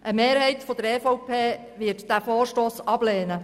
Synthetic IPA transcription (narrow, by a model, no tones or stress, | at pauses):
ʔəmeːɾhɛjt̪fɔd̪əɾɛːfɔwpʰeː | ʋɪətd̥æfoːɾʃtoːsɑb̥leːnə